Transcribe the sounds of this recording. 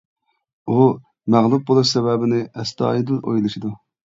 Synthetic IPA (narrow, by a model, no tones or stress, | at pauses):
u | mæʁlˠup̚bolˠuʃsɛwɛbɪnɪɛst̪ɑ̰ːjid̪ɨno̰jlˠɨʃid̪u